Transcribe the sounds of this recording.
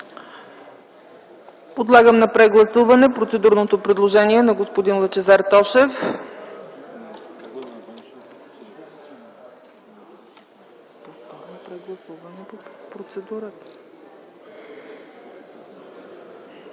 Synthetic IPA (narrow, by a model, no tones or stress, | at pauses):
pod̪lˠaɡəmnɐpɾɛɡlˠɐsuvɐnɛpɾot̪sɛd̪uɾnot̪opɾɛd̪lˠoʒɛniɛnɐɡospod̪inlˠɐt͡ʃɛzaɾt̪ɔʃɛf | nɐpɾɛɡlˠɐsuvɐnɛpopɾot̪sɛd̪uɾət̪ə̥